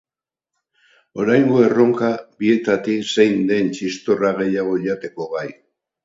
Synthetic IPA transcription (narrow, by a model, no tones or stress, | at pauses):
o̞ɾajŋɡo̞e̞ro̞ŋkabie̞t̪at̪ise̞jnd̪e̞nt͡ʃist̪o̞raɣe̞jaɣ̞o̞ʎat̪e̞ko̞ɣaj